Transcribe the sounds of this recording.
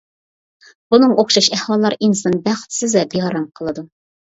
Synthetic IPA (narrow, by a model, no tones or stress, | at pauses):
b̥unɨŋoχʃɑʃɛhwɑlˠːɑɾinsɨnbæχt̪ʰsɪzɛbehɑɾɑmqʰəlˠɨd̪u